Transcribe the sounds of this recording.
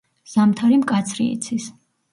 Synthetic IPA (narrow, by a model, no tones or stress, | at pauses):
z̥amt̪ʰaɾimkʼat̪sʰɾḭḭt̪sʰis